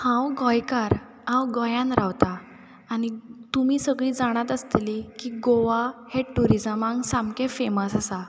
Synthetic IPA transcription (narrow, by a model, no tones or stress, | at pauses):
hãwɡɔjkaɾ | ɦãwɡɔjãnɾʔawt̪aː | ñit̪umiːsəɡɭiːd͡zaɽ̃at̪əst̪likiɡoʋaheʈuɾid͡zəmãŋɡsãmkẽfeməsasa